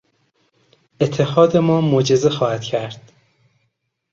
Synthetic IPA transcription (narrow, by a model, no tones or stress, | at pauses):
ʔet̪ʰːehɒːd̪emɒːmod͡ʒezexɒːhæd̪̥cʰæɾd̪̥